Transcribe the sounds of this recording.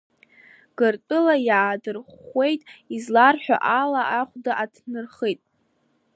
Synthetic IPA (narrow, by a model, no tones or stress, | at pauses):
ɡ̥ɨrtʼɨlajaːdɨrχʷe̞jtʼizlarħʷᶣa̰ʔalaʔaχʷdaʔatʰnɨrχejtʼ